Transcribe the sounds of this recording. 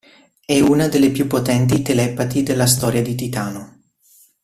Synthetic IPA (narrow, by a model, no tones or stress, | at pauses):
ɛunad̪elːepjupːot̪ɛnt̪it̪elɛpat̪id̪elːast̪ɔːɾjad̪it̪it̪aːno